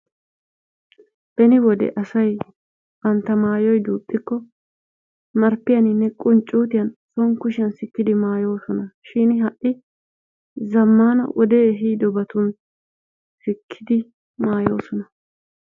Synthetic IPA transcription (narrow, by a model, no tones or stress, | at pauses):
b̥ɛnɪwɔd̪ɛ̰ʔɐsɐj | b̥ɐnt̪ːɐmaːjɔjd̪uːpʼːɪkːɔ | mɐɾpːɪjɐnɪnːɛkʼʊnt͡ʃʼːuːt̪ɪjɐnsɔŋkʊʃɪjɐnsɪkːɪd̪ɪmaːjo̞ːsɔnɐʃɪnɦɐʔʔɪ | zɐmːaːnɐ̰wʔɔd̪eːɦiːd̪ɔbɐt̪ʊn | sɪkʰːɪd̪ɪ | maːjo̞̰ːsɔnɐ